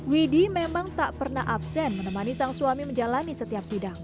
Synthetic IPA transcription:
widimemaŋt̪aʔpərna̰ɦʔapsɛnmənəmanisaŋsuamiməɲd͡ʒalanisət̪iap̚sidaŋ

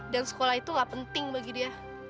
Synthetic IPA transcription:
dansə̥kolahit̪uŋɡaʔpənt̪ɪŋbaɡidia

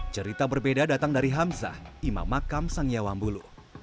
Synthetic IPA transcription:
t͡ʃəɾit̪abərbedadat̪aŋdaɾiɦamsa̰ima̰mːakamsaŋjawambulu

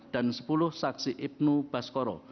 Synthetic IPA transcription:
d̥a̤nsə̥pulʊhsaksiʔɪp̚nub̥a̤skɔɾɔ̰

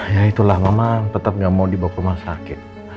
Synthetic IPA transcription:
jait̪ulahmamat̪ət̪əp̚ŋɡamaudibakpəmasakɪt̪̚

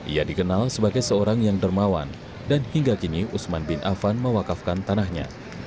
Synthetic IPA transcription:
ʔḭjadikənalsəbaɡajsəoɾaŋjaŋdərmawa̰n | danhiŋɡakiniusmanbɪnʔa̰fanməwakafkant̪anahɲa̰

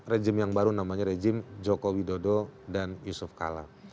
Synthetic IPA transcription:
rɛd͡ʒɪmjaŋbaɾunamaɲaɾɛd͡ʒɪmd͡ʒɔkowidodɔdanjusʊfka̰la̰

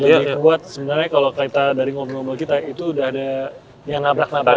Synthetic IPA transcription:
ləbibuat̪̚səbənarɲakalokait̪adaɾiŋobəlŋobəlkit̪ait̪uːdaɦada | jaŋnabɾak̚naba

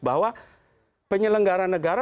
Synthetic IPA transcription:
baɦwa | pəɲələŋɡaɾanːəɡaɾa

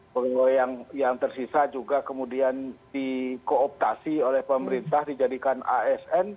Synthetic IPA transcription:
bəɡajaŋjaŋt̪ərsisad͡ʒuɡakəmudiandikoːp̚t̪asiolɛhpəməɾint̪ahdid͡ʒadikana̰ɛsɛn

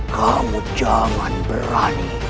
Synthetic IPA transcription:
kʰamud͡ʒaŋanbəɾan

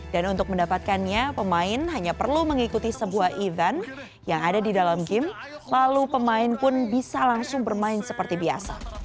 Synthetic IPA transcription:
d̥anunt̪ʊk̚məndapat̪̚kanɲapəmaɪnɦaɲapərluməŋikut̪isəbuahivɛn | jaŋadadidalamɡɪm | lalupəmaɪnpʊnbisalaŋsʊŋbərmaɪnsəpərt̪ibia̰sa̰

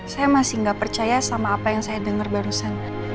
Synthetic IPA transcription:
sajamasɪŋɡaʔpərt͡ʃajasamaːpajaŋsajadəŋərbaɾusan

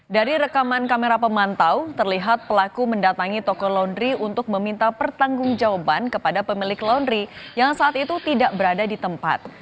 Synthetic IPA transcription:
daɾiɾəkamankameɾapəmant̪awt̪ərliɦat̪̚pəlakuməndat̪aŋit̪ɔkɔlandɾiunt̪ʊk̚məmint̪apərt̪aŋɡʊŋd͡ʒawabankəpadapəmilɪklandɾijaŋsaːt̪it̪ut̪idaʔbəɾadadit̪əmpa̰t̪̚

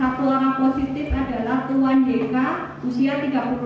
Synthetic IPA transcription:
at̪uoɾaŋposit̪ɪfad̥alaht̪uwandeka | usiat̪iɡa̤pu

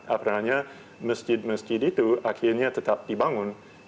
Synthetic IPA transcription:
ʔapɾaɲa | məsd͡ʒɪd̚məsd͡ʒɪdit̪uakʰɪɾɲat̪ət̪ap̚dibaŋʊn

